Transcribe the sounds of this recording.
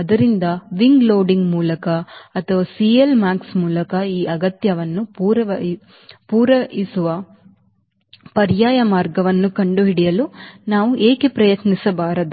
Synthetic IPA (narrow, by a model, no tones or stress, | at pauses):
ɐd̪ɐɾind̪ɐʋiŋɡloːɖiŋɡmuːlɐkɐːt̪ʰɐʋɐːsielmaːksmuːlɐkɐiːʔɐɡɐt̪jɐʋɐnːuuːɾɐɐ | puːɾɐisuʋɐ | pɐɾjaːjɐmaːɾɡɐʋɐnːukɐɳɖuɦiɽijɐlunaːʋuʔeːkepɾɐjɐt̪nisɐbaːɾɐd̪u